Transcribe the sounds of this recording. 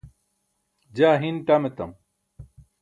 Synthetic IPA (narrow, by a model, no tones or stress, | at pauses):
d͡ʑaːɦinʈamet̪ɐ̰m